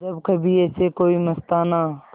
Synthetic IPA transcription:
d͡ʒəbkəbʱiɛːsekoːimɐst̪aːnaː

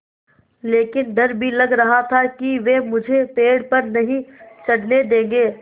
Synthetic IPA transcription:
leːkɪnd̪ʱɐɾbʱilɐɡɾɐɦat̪ʰakiʋemʊd͡ʒʱepeːɽpɐɾnɐɦĩt͡ʃɐɽned̪ẽːŋɡeː

